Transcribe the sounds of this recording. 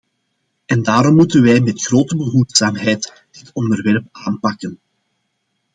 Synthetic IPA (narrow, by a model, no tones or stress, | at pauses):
ɛndaːɾɔmːutənʋɛjmɛtxroːtəbəɦutsaːmɦɛjt | d̥ɪtɔndərʋɛrp̚aːnpɑkən